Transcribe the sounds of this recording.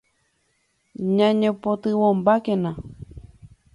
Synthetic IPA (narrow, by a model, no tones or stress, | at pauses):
ɲãɲẽpot̪ɨwõmbakẽnã